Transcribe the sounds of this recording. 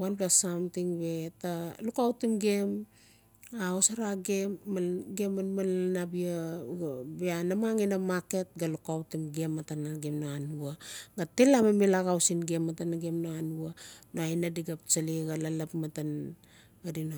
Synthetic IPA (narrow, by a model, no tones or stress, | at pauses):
wanplasamtiŋbe̞talukawtimɡe̞m | aosaɾaɡeɡemanmalnabia | beanamaŋinamake̞t̚ɡalukawtimɡe̞mːatanaɡemnaanuaɡate̞lamamelaɡawsinɡemːatanaɡemnaanuanoajnadiɡap̚t͡ʃaliɡalalapmatan | ɡadina